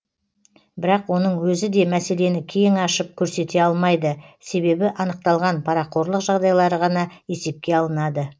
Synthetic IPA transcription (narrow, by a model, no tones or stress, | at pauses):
bɪɾɑqwo̞nəɴwɵzɪd̪e̞mæse̞le̞nɪkʲʰeŋɑʃəp̚kʲʰɵɾse̞t̪e̞ɑlˠmɑjd̪əse̞βe̞bɪʔɑnəq̚t̪ɑlˠʁɑnpʰɑɾɑqʰo̞ɾlˠəqʒɑʁd̪ɑjlˠɑɾəʁɑnɑje̞se̞p̚kʲe̞ɑlˠənɑd̪ə